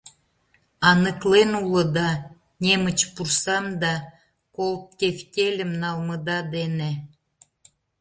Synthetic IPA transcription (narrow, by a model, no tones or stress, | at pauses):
ɑnəklenulə̆d̪ɑ | nʲemə̆t͡ɕpursɑmd̪ɑ | kolt̪̚kʲefkʲelʲə̆mnɑlmə̆d̪ɑd̪ene